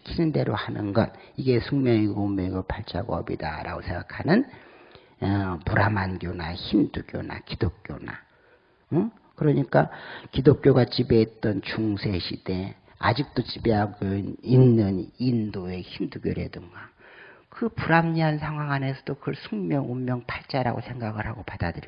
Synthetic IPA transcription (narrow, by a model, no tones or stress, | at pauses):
kʰiɾɯnde̞ɾohanɯ̰nɡʌ̰niɡe̞sʰuŋmjʌŋiɡomeɡopaɭt͡ɕʰa̰ɡo̰ʌ̰bḭda̰ɾʔa̰ɡosʰeŋɡakʰanɯn | ʌpuɾʔamanɡjonaçimduɡjo̰na̰kidok̚k͈jo̰na̰ | kɯɾʌɲik͈akidok̚k͈joɡat͡ɕibe̞ːt̚t͈ʌnt͡ɕuŋsʰe̞ɕʰid̥e̞ | ad͡ʑik̚t͈ot͡ɕibe̞ɦaɡoinːɯnindoeçimduɡjoɾḛdɯŋɡakɯpuɾamɲiɦansʰaŋɦwaŋane̞sʰʌd̥okɯɭsʰuŋmjʌŋomːjʌŋpʰaɭt͡ɕ͈aɾa̰ɡosʰe̞ŋɡaɡɯɭhaɡopadadɯɾi